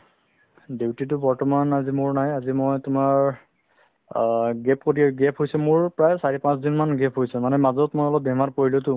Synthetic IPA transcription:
dewtitʊbɔɹtɔmanazimʊɹnajazimojtʊmaɹ | ɡɛp̚kotiɛɡɛpʰɦojsɛmʊɹpɹajsaɹipãsdinmanɡɛpʰɦojsɛmanɛmazɔtmojɔlɔp̚bɛmaɹpoɹilʊtʊ

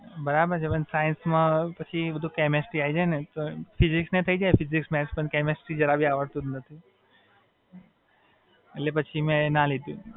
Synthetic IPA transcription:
bɐɾaːbəɾd͡ʒɐbənsaːjənsmãpɐt͡ʃʰiʋɐd̪ʱukeːmesʈɾiaːid͡ʒaːenɐt̪opʰɪzɪksnẽt̪ʰɐid͡ʒaːepʰɪzɪksmɛːspənkeːmesʈid͡ʒɐɾabʱiaːʋəɾt̪ud̪nɐt̪ʰi | lepɐt͡ʃʰimẽnalet̪jũ

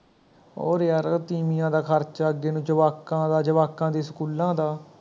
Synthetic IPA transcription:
o̰ːɾəɾt̪iːmijãːd̪aːkʰəɾt͡ʃːəɡeːnũːd͡ʒəʋaːkːãːd̪aːd͡ʒəʋaːkːãːd̪iːsəkuːlãːd̪aː

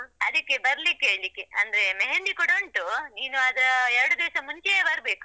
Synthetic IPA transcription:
ɐd̪ikːebɐɾlikːeeːɭlikːeɐnd̪ɐɾemeɦend̪ikɔɽoɳʈuniːnuɐd̪ɐɾɐɛɾɐɽud̪eːʂɐmuɲt͡ʃebɐɾbe̞ːku̥

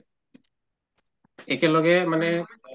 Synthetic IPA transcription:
ɛkelɔɡɛmanɛ

